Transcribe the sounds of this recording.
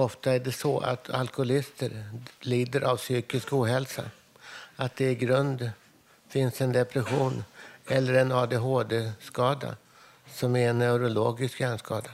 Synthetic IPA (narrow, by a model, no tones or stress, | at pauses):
ɔft̪aæɖɛsɔa̰t̪ʰa̰lkʊʊlɪst̪ʰəɾliːd̪əɾʔavsyːkɪskuːɦɛlsa̰ | at̪̚d̪ɛɪɡɾɵnd̪ | fɪnsɛnd̪ɛpɾɛɧuːnɛlːəɾɛnɑːd̪eɦoːd̪eːskɑːd̪a̰ | sɔmæɾɛnːɛʉɾʊloːɡɪskɛnskɑːd̪a